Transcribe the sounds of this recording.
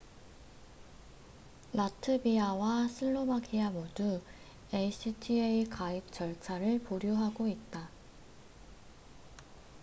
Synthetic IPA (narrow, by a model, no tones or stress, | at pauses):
latʰɯbiawasʰɯɭːobakʰiamodu | eisʰɯtʰieikaik̚t͡ɕ͈ʌɭt͡ɕʰaɾɯɭpoɾjoɦaɡoit̚t͈a